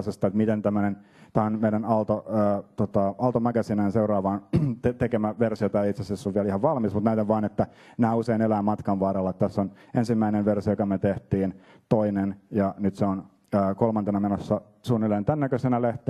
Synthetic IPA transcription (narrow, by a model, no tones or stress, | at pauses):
sest̪ɑet̪mit̪ent̪æmːønen | t̪æːonmeiɾænɑlt̪oəːt̪ot̪ɑɑlt̪omækæsinænseurɑːʋɑːnt̪et̪ekemæʋersiot̪ɑeit̪sesesːoʋʋiælihɑʋʋɑlmismut̪næyt̪æʋʋɑːnet̪ːæ | næːuseinelæːmmɑt̪kɑnʋɑːrelːɑt̪t̪æsːon | ensimːæineʋʋersijojokɑmet̪eht̪iːn | t̪oinenjɑnyt̪seon | əːkolmɑnt̪enɑmenosːɑ | suːnːilːeːnt̪ænːækøsenæleht̪e